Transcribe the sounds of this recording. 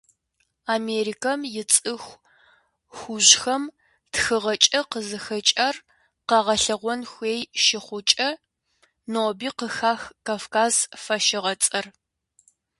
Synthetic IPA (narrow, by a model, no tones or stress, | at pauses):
aːmeːɾikʰɐmjɪt͡sʼɨxʷ | xʷʊʑxɐm | txɨʁɐt͡ʃʼɐqəzɨxɐt͡ʃʼɐr | qɐʁɐɬɐʁʷɔnxʷeːjʃɪχʷʊt͡ʃʼɐ | noːbiːqəxaːxkaːfkaːzfɐʃɪʁɐt͡sʼɐr